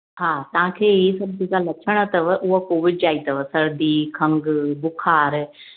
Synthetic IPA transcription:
ɦaːt̪ɐʋ̤ãkʰeːɦisɐb̚d͡ʒekalɐt͡ʃʰəɽ̃ət̪ɐʋʔʊɦakoːʋɪd͡ʒaːit̪ɐʋəsɐɾd̪ikʰɐ̃ŋɡbʊkʰaːɾ

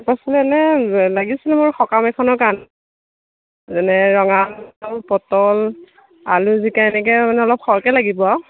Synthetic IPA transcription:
pasɔlɛɛnɛlaɡisilɛmʊɹxɔkamɛkʰɔnɔɹkan | zɛnɛɹɔŋanɔpɔtɔl | a̰luzikajnɛkɛmanɛɔlɔp̚xɔɹkɛlaɡibɔ

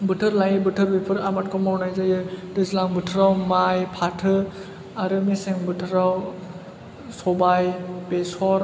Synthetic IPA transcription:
bɯtʰɯɾlajibɯtʰɯɾbepʰɯɾamat̚kʰɔmawnajzajɯdɯzlaŋbɯtʰɯɾawmajpʰatʰɯ | aɾɯmiseŋbɯtʰɯɾaw | sɔbajpesɔɾ

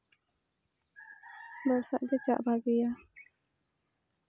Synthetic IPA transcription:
bɔɾsaʔd̪ɛt͡ʃa̰ʔbaɡija

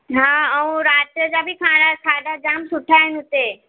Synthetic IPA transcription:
ɦãːɐũɾaːtjəd͡ʑabʱikʰãːɽasaːd̪ʱad͡ʑaːmsʊʈʰaɦɪnɪɦʊt̪e

